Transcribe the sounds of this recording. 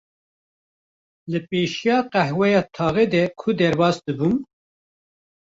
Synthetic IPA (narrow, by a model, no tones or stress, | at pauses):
lɨpeːʃijɑːqɛhwɛjɑːt̪ʰɑːɣɛd̪ɛkʰʊd̪ɛɾbɑːsd̪ɨbum